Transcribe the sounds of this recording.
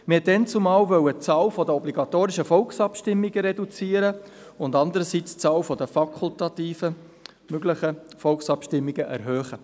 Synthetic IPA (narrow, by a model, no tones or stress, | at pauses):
mhɛt̚dɛnt͡sʊmɑːlvœwət͡sɑːwfɔdəɔbliɡɑt̪oːɾɪʃəfɔlksɑpʃtɪmːiɡəɾɛdut͡siːəɾə | ʊndɑnd̪əɾəsit͡st͡sɑːwfɔd̪əfɑkʰult̪ɑt̪iːfə | møɡlɪχəfɔlksɑpʃtɪmːiɡəʔɛ̰ɾɦœːχə